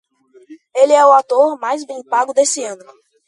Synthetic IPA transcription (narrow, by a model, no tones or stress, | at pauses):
elɪɛʊat̪oɾmajzbẽj̃paɡʊd̪esɪɐ̃nʊ